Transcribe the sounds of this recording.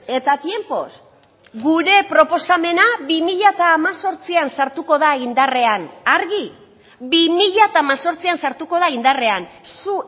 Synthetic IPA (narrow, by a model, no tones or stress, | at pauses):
e̞t̪at̪je̞mpo̞̰s | ɡuɾe̞pɾo̞po̞same̞naβimiʎat̪aːmaso̞ɾt͡siansaɾt̪uko̞ðaind̪are̞anaɾɣi | βimiʎat̪aːmaso̞ɾt͡siansaɾt̪uko̞ð̞aind̪are̞ansu